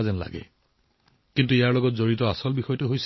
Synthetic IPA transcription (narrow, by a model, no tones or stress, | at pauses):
zɛnla̰ɡɛ̰ | kintuijaɹlɔɡɔtzoɹitɔasɔlbixɔjɔtuɦojs